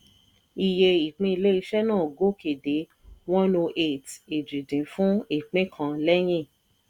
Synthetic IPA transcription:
i˧je˧i˨k͡pĩ˦i˧le˦i˧ʃɛ˦nãː˦˨ɡo˦ke˨de˨˦ | wɔ̃˦no˧ʔe˦˨te˨d͡ʒĩ˨dĩ˨˦fũ˦i˦˨k͡pĩ˦kʰã˧lɛ˦j̃ĩ˦˨

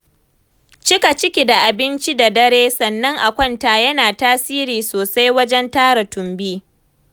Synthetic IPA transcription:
t͡ʃɪ˦ka˨t͡ʃɪ˦kʲi˨da˨ʔa˨bɪ˦nt͡ʃi˦da˨dɐ˦ɽeː˦sɐ˨nːɐ˦ŋʔa˨kʷɐ˦nta˨jɐ˦naː˨taː˦siː˦ɾiː˨soː˨sa˦jwɐ˦d͡ʒɛ˦ntaː˦ɾa˨tʊ˨mbiː˦

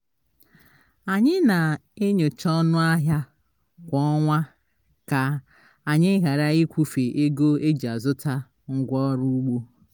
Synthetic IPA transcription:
a˨ɲɪ˦na˨e˦ɲo˨t͡ʃɔ˦nʊ˦a˦ɦja˦ | kʷɔ˦ɔ˦ŋʷa˦ | ka˨ | a˨ɲɪ˦ɣa˨ɾa˦i˦kʷu˦fe˨ʔe˦ɡo˦e˦d͡ʒa˨zʊ˦ta˦ | ŋ̩˦ɡʷɔ˦ɾu˦ɡ͡bo˦

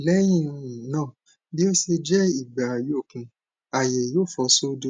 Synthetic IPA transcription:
lɛ˨˦jĩ˦˨˧jĩ˨˦nãː˦˨ | bi˦o˦si˧d͡ʒɛ˦i˦˨ɡ͡ba˨jo˦˨kũ˧˦ | a˨je˨joː˦˨fɔ˧so˦do˧˦

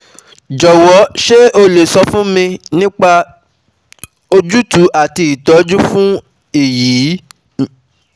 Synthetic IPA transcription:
d͡ʒɔ˨wɔ˨˦ʃe˦ʔo˧le˨sɔ˧fũ˦mĩ˧nĩ˦k͡pa˧ | o˧d͡ʒu˦tu˨˦ʔa˨ti˧i˨tɔ˨˦d͡ʒu˦fũ˦ | i˦˨jiː˨˦

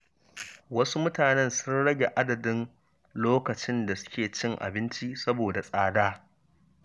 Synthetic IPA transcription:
wɐ˦su˦mʊ˦taː˨nɛ˦nsʊ˦nɽɐ˦ɡʲe˨ʔa˦dɐ˨dɪ˦n | loː˦kɐ˨t͡ʃɪ˦nda˨sʊ̥˦kʲeː˨t͡ʃɪ˦ŋʔa̰˨bɪ˦nt͡ʃi˦sɐ˦boː˨da˨sʼaː˦daː˦

